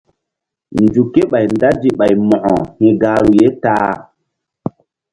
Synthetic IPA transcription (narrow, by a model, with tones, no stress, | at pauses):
nd͡ʒu˨ke˦ɓa˨jnda˦d͡ʒi˨ɓa˨jmɔ̃˨ʔɔ˨hĩ˨ɡaː˦ɾu˨je˦taː˦